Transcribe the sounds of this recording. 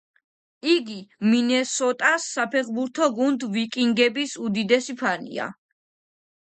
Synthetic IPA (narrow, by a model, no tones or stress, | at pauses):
iɡiminɛsɔt̪ʼasːapʰɛχbuɾt̪ʰɔɡund̪vikʼiŋɡɛbisud̪id̪ɛsipʰanḭa̰